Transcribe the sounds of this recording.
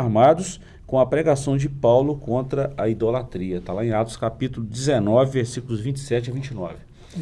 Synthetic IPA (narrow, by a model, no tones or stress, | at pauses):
ɾmad̪ʊs | kõw̃ɐpɾeɡasɐ̃w̃d͡ʒɪpawlʊkõnt̪ɾɐɐid̪olat̪ɾiɐt̪alaẽat̪ʊ̥skapit̪ʊlʊzd͡ʒɪzenɔvɪveɾsikʊlʊzvĩnt͡ʃɪ̥sɛt͡ʃavĩnt͡ʃɪnɔvɪ